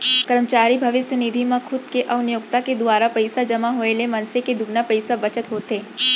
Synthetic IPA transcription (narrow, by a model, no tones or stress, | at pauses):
kəɾəmt͡ʃaːɾibʱɐʋɪsjənɪd̪ʱimãkʰʊd̪̚keʔɐʋʊnjʊkt̪aked̪ʊaːɾapɐɪsad͡ʒɐmaɦoːelemɐ̃nseked̪ʊbnapəɪsabɐt͡ʃət̪ɦoːt̪eː